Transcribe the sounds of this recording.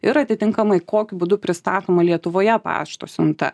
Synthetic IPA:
ɪɾɐt̪ʲɪt̪ʲɪŋkɐmɐɪkoːkʲʊbʊd̪ʊpʲɾʲɪst̪ɑːt̪oːmɐlʲiɛt̪ʊʋoːjɛpɑ̰ːʃt̪o̰ːsʲɪnt̪ɐ̰

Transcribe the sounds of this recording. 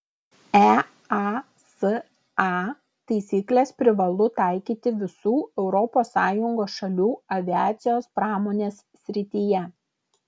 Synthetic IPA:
æ | ɑ | s | ɑː | t̪ɐɪsʲiːklʲeːspʲɾʲɪʋɐlˠʊt̪ɑˑɪkʲiːt̪ʲɪʋʲɪsuːɛʊɾɔpoːsːɑːjʊŋɡoːsʃɐlʲuːɐʋʲɪæːt̪sʲɪjoːspɾɑːmoːnʲeːsːʲɾʲɪt̪ʲiːjɛ

